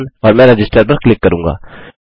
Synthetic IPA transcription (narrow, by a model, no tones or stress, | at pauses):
nɔɾmɛ̃ɾəd͡ʒisʈəɾbəɾklikːəɾuŋɡɑ̰